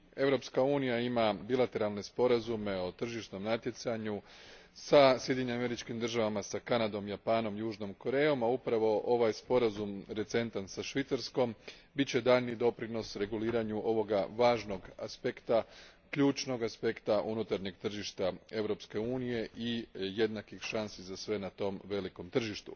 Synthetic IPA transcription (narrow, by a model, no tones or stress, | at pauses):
e̞ʋɾo̞pskauːnijaimabilˠat̪e̞ɾalˠne̞spo̞ɾazume̞o̞t̪r̩ʒiʃt̪no̞mnat̪je̞t̪saɲusasjed̪ʲiɲɲeame̞ɾit͡ʃkimd̪r̩ʒaʋamasakanad̪o̞mjapaːno̞mjuːʒno̞mko̞ɾe̞ːjo̞maupɾaʋo̞ʔo̞ʋajspo̞ɾazumɾe̞t̪se̞nt̪ansaʃʋit̪saɾsko̞mbitt͡ɕe̞d̪aːʎnid̪o̞pɾino̞sɾe̞ɡuliːɾaɲuʔo̞ʋo̞ɡaʋaːʒno̞ɡaspe̞kt̪akʎuːt͡ʃno̞ɡaspe̞kt̪aʔunut̪aɾɲeɡt̪r̩ʒiʃt̪ae̞ʋɾo̞pske̞uːnije̞ʔije̞d̪nakixʃansizasʋe̞nat̪o̞mʋe̞liko̞mt̪r̩ʒiʃt̪ṵ